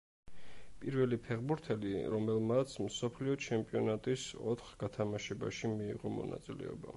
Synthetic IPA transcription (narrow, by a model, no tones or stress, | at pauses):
pʼiɾvɛlipʰɛʁbuɾt̪ʰɛliɾɔmɛlˠmat̪sʰmsɔpʰliɔt͡ʃʰɛmpʼiɔnat̪ʼisɔ̰t̪ʰχɡat̪ʰamaʃɛba̰ʃimḭːʁɔmɔ̰na̰t̪sʼilɛ̰ɔba̰